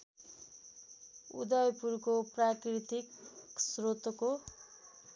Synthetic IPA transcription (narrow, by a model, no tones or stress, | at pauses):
ṵd̪ʌjpurkoprakrit̪iksrot̪ʌko